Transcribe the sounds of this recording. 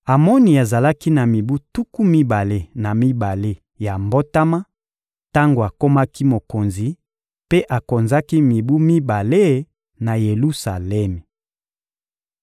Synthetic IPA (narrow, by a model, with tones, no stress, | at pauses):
a˨mɔ˦ni˨a˨za˨la˦ki˦na˨mi˨bu˦tu˦ku˦mi˦ba˨le˦na˨mi˦ba˨le˦ | ja˨mbo˦ta˦ma˦ | ta˦ŋɡo˨a˨ko˦ma˦ki˦mo˨ko˨nzi˨ | pe˦ʔa˨ko˨nza˦ki˦mi˨bu˦mi˦ba˨le˦ | na˨je˨lu˦sa˨lɛ˦me˨